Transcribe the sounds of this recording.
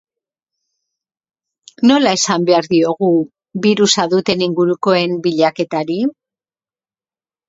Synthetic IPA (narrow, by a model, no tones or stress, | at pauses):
no̞lae̞sambe̞aɾðio̞ɣu | βiɾusaðut̪e̞niŋɡuɾuko̞e̞mbiʎake̞t̪aɾi